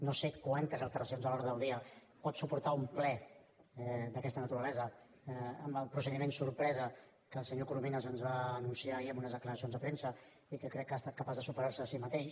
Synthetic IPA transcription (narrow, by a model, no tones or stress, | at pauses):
nosekwant̪əzəlˠt̪əɾəsionzəlɔɾðəðəlˠd̪iə | pɔt̪supuɾt̪aumplɛɛd̪əkɛst̪ənət̪uɾəlɛzə | əmbəlˠpɾusəðimensuɾpɾɛzə | kəːlˠsəɲokuɾumenəzənzβaːnunsiaiəmunəzðəkləɾəsionzðəpɾensə | ikəkɾɛkːast̪at̪kəpazðəsupəɾaɾsəːsimət̪eʃ